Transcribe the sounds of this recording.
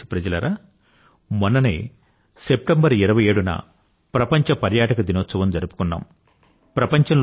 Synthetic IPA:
i̥pɾɐd͡ʒɐlɐɾaː | mɔnːɐnḛː | sep̚ʈɐmbɐɾiɾɐʋɐjeːɽunɐ̰ | pɾɐpɐɲt͡ʃɐpɐɾjaːʈɐkɐd̪inɔːt̪sɐʋɐmd͡ʒɐɾupu̥kunːa̰ːm | pɾɐpɐɲt͡ʃɐml

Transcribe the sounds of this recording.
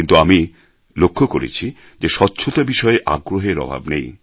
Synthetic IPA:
int̪uami | lokʰːokoɾḛt͡ɕʰi | d͡ʑeʃɔtːɕʰot̪abiʃɔeʔa̰ɡɾoɦeɾɔ̰bʱa̰bnej

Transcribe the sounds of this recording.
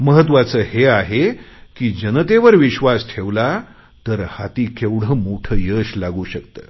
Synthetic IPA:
məɦət̪ʋat͡səːheaɦekiːd͡ʑənət̪eʋəɾʋiɕʋasʈʰeʋla | t̪əɾhat̪iːkewɽ̤əmoʈʰəːjəɕlaɡuːɕəkt̪ə̰ː

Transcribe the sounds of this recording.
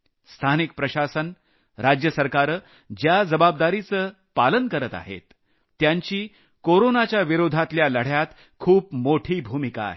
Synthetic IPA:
st̪ʰanik̚pɾəɕasən | ɾad͡ʑjəsəɾkaɾ | d͡ʑjad͡zəbab̚d̪aɾit͡səː | palənkəɾət̪a̰ɦḛt̪ː | jaɲt͡ɕiː | koɾonat͡ɕjaʋiɾod̪ʱat̪ljaləɽ̤jat̪ | kʰuːpmoʈʰiːbʱumika̰ːɦe

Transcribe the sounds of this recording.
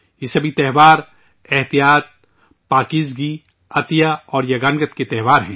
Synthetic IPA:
jesɐbʱit̪ɛɦʋaːɾ | ɛɦt̪ijaːt̪̚ | paːkiːzɡi | ɐt̪ijaɔːɾjɐɡaːnɡət̪ket̪ɛɦʋaːɾɦɛ̃ː

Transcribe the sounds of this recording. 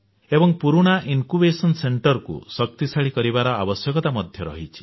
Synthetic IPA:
ebɔŋpuɾuɽ̃ainkubesɔnseɳʈɔɾkṵsɔk̚t̪isaɭikɔɾibaɾɔabɔsjɔkɔt̪amɔd̪ʱjɔɾɔ̰ɦit͡ʃʰi̥

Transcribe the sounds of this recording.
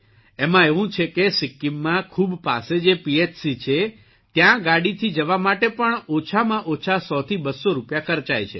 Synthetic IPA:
emãeʋũt͡ʃʰekesikːimːãkʰubpa̰sed͡ʒepiet͡ʃsit͡ʃʰe | t̪jãɡaɽit̪ʰid͡ʒəʋamaʈepəɳot͡ʃʰamãʔot͡ʃʰasɔt̪ʰibəsoɾupjakʰəɾt͡ʃajt͡ʃʰḛ

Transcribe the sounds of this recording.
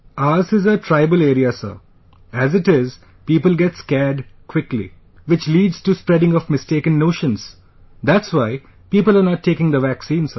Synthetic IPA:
aːsɪzəʈʰɾaɪbəleːɾiasə̰ | æzɪʈɪz | piːpəlɡɛʈskɛɾɖkʰwɪklḭ | ʋɪt͡ʃliːɖz̥ʈuspɾɛɖɪ̃ŋɔfmɪsʈeːkə̃nːoːʃə̃ns | d̪æʈsʋaɪ | piːpəlanɔʈʰːeːkɪ̃ŋd̪əʋæksĩːnsə

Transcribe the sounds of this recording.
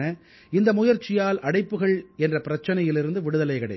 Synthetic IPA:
nɐ | ɪnd̪ɐmʊjɐɾt͡ʃːɪjaːlʔɐɽɐɪpːɯɣɐɭɛndrɐpɪɾɐt͡ʃːɐnɐjɪlɪɾɯnd̪ɯʋɪɽɯðɐlɐɪkɐɽɐɪ

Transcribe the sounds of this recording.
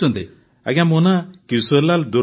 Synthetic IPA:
ɔnd̪e | a̰ɡamɔnakiwsolald̪u

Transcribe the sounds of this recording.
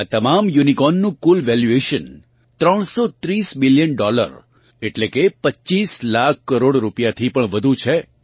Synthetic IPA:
at̪əmamjunikɔnːũkulʋɛljueʃən | t̪ɾəɽ̃sot̪ɾisbɪljənɖɔlə̰ɾ | eʈlekepət͡ʃːt͡ʃislak̚ʰːəɾoɽɾupjat̪ʰipəɳʋəd̪ʱut͡ʃʰe

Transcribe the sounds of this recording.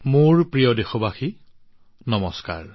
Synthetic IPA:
moɹpɹijɔdexobaxi | nɔmɔska̰ɹ

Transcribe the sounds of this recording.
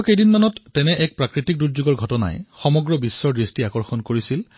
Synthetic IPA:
kejdinmanɔtːɛnɛʔɛk̚pɹakɹitik̚duɹzuɡɔɹɡʱɔtɔna̰jxɔmɔɡɹɔbisːɔɹdɹistiakɔɹxɔnkoɹisil

